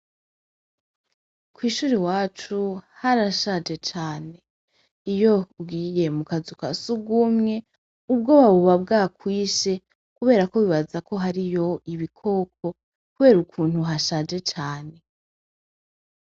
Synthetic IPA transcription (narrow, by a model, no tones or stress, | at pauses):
kwiːʃuːɾiwaːt͡ʃuhaɾaʃad͡ʒe̞t͡ʃaːne̞ | ijo̞bɡiːje̞mukazuka̰suɡumŋe̞ | ub̚ɡo̞βaβuβab̚ɡaːkwiːʃe̞ | kuβe̞ːɾakoβiβazako̞ɦaɾijo̞iβikʰo̞ːk̚ʰo̞ | kuβe̞ːɾukʰuːn̥huɦaʃad͡ʒe̞t͡ʃaːne̞